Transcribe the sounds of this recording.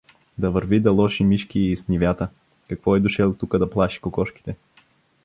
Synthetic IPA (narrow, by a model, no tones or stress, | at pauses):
d̪ɐvɐɾvid̪ɐlˠɔʃimiʃkiisnʲivʲjat̪ə | kɐkvɔɛd̪ʊʃɛlˠt̪ukəd̪ɐplˠaʃi̥kokɔʃki̥t̪ɛ